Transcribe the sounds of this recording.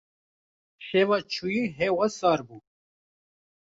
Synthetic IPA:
ʃeːvat͡ʃʰujiɦewɐsɑːɾbuː

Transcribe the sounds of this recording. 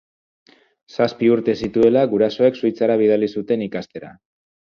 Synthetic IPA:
saspiuɾt̪e̞sit̪ue̞laɣuɾaso̞e̞ksujt͡saɾaβ̞iðalisut̪e̞nikast̪e̞ɾa̰

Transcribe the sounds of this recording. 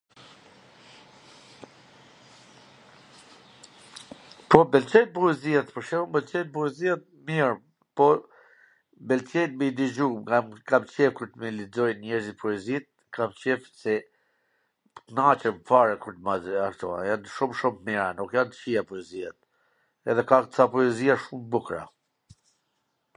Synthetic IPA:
pɔbɛlt͡ʃɛjt̪̚puɛziɛt̪pəɾʃɛhumbɛlt͡ʃɛjt̪̚buɛziat̪̚ | miɾm | pɔ | bɛlt͡ʃɛjt̪mid̪id͡ʒuŋɡamkamt͡ɕɛfkuɾt̪milid͡zɔjnɲɛɾzit̪pʰɔɛzit̪̚ | kʰamt͡ʃɛfsɛ | t̪nat͡ʃɛmfaɾɛkuɾt̪mazakt̪ɔa̰janʃumʃummiɾanukjant̪ə̥ʃijapɔɛziat̪̚ | ɛ̰ðɛkaksapɔɛziaʃumbukɾa̰

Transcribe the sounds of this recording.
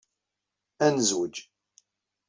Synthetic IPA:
ænəzwəd͡ʒ

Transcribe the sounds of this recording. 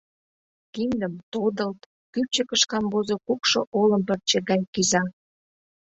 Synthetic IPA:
kind̪əmt̪od̪əlt̪ | kyp̚t͡ɕəkəʃkɑmbozokukʃoʔoləmpərt͡ɕeɣɑjkizɑ

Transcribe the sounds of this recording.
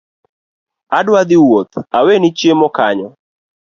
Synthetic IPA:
adwad̪ɪwot̪awenɪt͡ʃjemɔkaɲɔ

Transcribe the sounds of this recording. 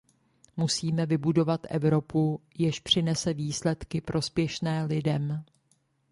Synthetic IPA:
musiːmɛvɪbudo̞vat̪ʔɛ̰vɾo̞pujɪʃpr̝̥ɪnɛsɛviːslɛt̪kɪpɾʔo̞spjɛʃnɛːlɪdɛm

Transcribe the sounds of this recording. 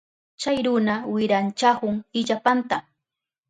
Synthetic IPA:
t͡ʃajɾʊnawɪɾant͡ʃahʊŋɪʎapant̪a

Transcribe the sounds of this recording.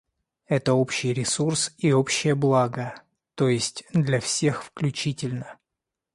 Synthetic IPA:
ɛt̪əo̞pɕɪjɾʲɪsursio̞pɕːɪjəblˠaɡə | t̪o̞jɪsʲtʲd̪lʲɐfsʲe̞xfklʲʉt͡ɕitʲɪlʲnə

